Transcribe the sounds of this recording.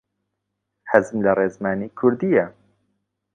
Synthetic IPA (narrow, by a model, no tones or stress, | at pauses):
ħazmlɐreːzmaːniːkʰʊɾd̪ijɛ